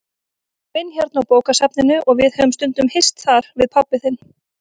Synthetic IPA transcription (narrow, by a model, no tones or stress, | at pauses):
vɪnçjɛɾt̪nawpoːwkasapnɪnʏʔɔɣvɪðhœvʏmst̪ʏnt̪ʏmhɪ̥st̪θaɾ̥vɪðpʰawpːɪθɪnː